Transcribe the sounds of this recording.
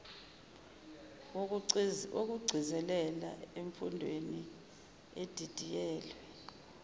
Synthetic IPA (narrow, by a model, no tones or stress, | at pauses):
ok̬uɡ͡ǀʱizɛlɛla̰eɱfundʱweni | ed̥ʱid̥ʱijɛːlwɛ